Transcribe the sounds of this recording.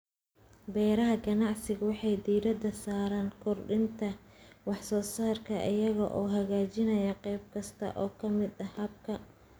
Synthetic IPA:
bɛːɾɐɦɐɡɐnɑʕsɪɣʊwɑħɑjd̪iːɾɐd̪ɐsaːɾaːnkʰʊrɖɪnt̪ʰɐwɑħsɔːsaːrkʰɐʔɪjɐɣɐʔɔːɦɐɣaːt͡ʃɪnɐjɐqɛjb̚kʰɐst̪ʰɐ̰ʔɔːkʰɐmɪd̪ɐhɐb̚kʰɐ

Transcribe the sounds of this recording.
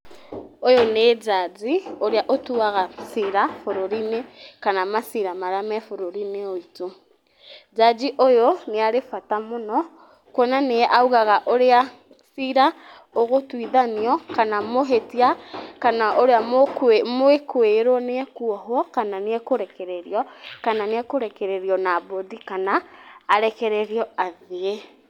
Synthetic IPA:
ojoned͡ʒad͡ʒioɾeaʔotuaɣasiɾafoɾoɾinekanamasiɾamaɾamɛfoɾoɾineoito | d͡ʒad͡ʒiʔojoneaɾefatamonɔ | kwɔnaneɛʔauɣaɣaʔoɾea | siɾa | oɣotwiðaniɔkanamoɦetiakanaʔoɾeammoekweɾwɔneɛkuɔɦoɔkananeɛkoɾɛkɛɾɛɾiɔkananeɛkoɾɛkɛɾɛɾiɔnabodikanaːɾɛkɛɾɛɾiɔaðee

